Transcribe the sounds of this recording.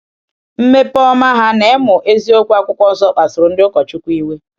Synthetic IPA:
m̩˦me˦pɔ˦ma˦ɦa˦ne˨˦mʊ˨ʔe˦zi˦o˦kʷu˦a˦kʷʊ˦kʷɔ˦n̩˦zɔ˦k͡pa˨sʊ˨ɾʊ˨n̩˦dɪ˦ʊ˦kɔ˨t͡ʃʊ˦kʷu˦i˦we˦

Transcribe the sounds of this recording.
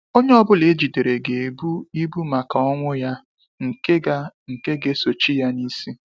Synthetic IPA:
o˦ɲe˦ɔ˦bʊ˦le˨˦d͡ʒi˨de˨ɾe˨ɡe˨e˨bu˦i˦bu˦ma˨ka˨ɔ˦ŋʷʊ˦ja˦ | ŋ̩˨ke˦ɡa˦ŋ̩˨ke˦ɡe˦so˨t͡ʃi˦ja˦ni˦si˦

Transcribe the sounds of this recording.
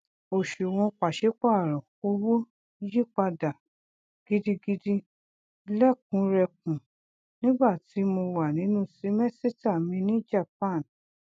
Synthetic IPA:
o˨ʃu˨w̃ɔ̃˧k͡pa˨ʃe˨˦k͡pa˦˨ɾɔ̃˨o˧wo˦ | ji˦k͡pa˧da˨ | ɡ̥i˦di˧ɡi˧di˦ | lɛ˦˨k̚ũ˨˧˦ɾɛ˧k̚ũ˨ | nĩ˦ɡ͡ba˦˨ti˨˦mo˧wa˨nĩ˨˦nũ˦˨si˨˦mɛ˦˨si˦ta˦˨mĩ˧nĩ˦d͡ʒa˦˨p̚ã˦˨n

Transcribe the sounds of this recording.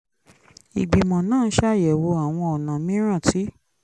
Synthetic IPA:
ḭ˨ɡ͡bi˨mɔ̃˨nãː˦˨˦ʃa˦˨jɛ˨wo˧a˨w̃ɔ̃˧ɔ˨nã˨mĩ˦ɾ̃ã˦˨ti˨˦

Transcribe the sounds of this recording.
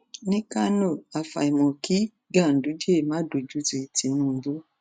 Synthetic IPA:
nɪ˦ka˦no˦˨a˨fa̰˨i˨mɔ˨ki˦ | ɡa˦˨n̩˨du˨˦d͡ʒe˦˨ma˦do˨d͡ʒu˨d͡zi˨ti˨nu˨m̩˨bu˦

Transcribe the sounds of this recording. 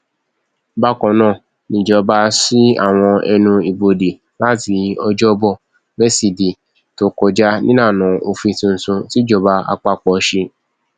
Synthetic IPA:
ba˦kɔ̃˨˦nã˦˨ | nĩ˨d͡ʒɔ˨˦ba˧si˦a̰˦˨w̃ɔ̃˧ɛ̰˧nũ˧i˨bo˧de˨ | la˦ti˨˧˦ɔ˧d͡ʒɔ˦bɔ˦˨ | bɛ˦si˨di˨ | to˨kɔ˨d͡ʒa˦nĩ˦nãː˦˨nã˨˦o˧fĩ˧tĩ˧n̩˨sũ˧ti˦d͡ʒɔ˧˨ba˧a̰˧k͡pa˧k͡pɔ˧˨˦ʃe˧

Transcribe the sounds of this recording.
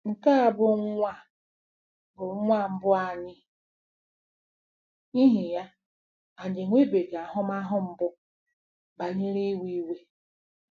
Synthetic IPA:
ŋ̩˨ka˦a˨bʊ˦ŋ˦ŋʷa˦ | bʊ˨ŋ˦ŋʷa˦m̩˦bʊ˦a˨ɲɪ˦ | i˦ɦi˨ja˦ | a˨d͡ʒe˨ŋʷe˦be˨ɡa˨a˨ɦʊ˦ma˦ɦʊ˦m̩˦bʊ˦ | ba˨ɲe˦ɾi˦wi˦we˦

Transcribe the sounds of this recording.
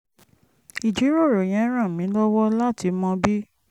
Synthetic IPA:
i˨d͡ʒi˨˦ɾo˦˨ɾo˨j̃ɛ̃˨˦ɾ̃ã˦˨mĩ˨˦lɔ˦wɔ˦la˦˨ti˧˦mɔ̃˧bi˦

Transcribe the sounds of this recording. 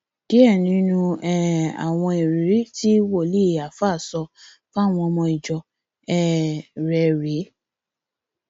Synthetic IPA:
d̥i˨˦ɛ˦˨nĩ˨˦nũ˧ɛ˦˨a̰˨w̃ɔ̃˧e˨ɾi˨ɾi˦ti˦wo˦˨li˦˨a˨fa˦˨sɔ˧ | fa˦˨w̃ɔ̃˧mɔ̃˧i˨d͡ʒɔ˨ | ɛ˦ɾɛ˨˦ɾe˨˦

